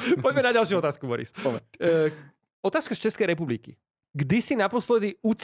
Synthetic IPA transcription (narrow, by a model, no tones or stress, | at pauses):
pɔɟmɛnaɟalʃjuɔt̪aːskubɔɾḭs | ɔt̪aːskast͡ʃɛskɛjɾɛpublikḭ | ɡd̪isinapɔslɛd̪iut͡s